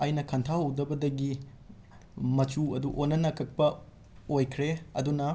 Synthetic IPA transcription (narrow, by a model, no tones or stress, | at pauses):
ajnɐkʰɐntʰahɐwdɐbɐdɐɡi | mɐt͡ʃuɐduʔonːɐnɐkʰɐk̚pɐ | ojkʰɾeɐ̰dunɐ